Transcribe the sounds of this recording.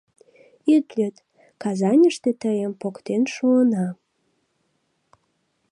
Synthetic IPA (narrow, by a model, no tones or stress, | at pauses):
it̪lʲøt̪ | kɑzɑnʲəʃt̪et̪əjəmpokt̪enʃuənɑ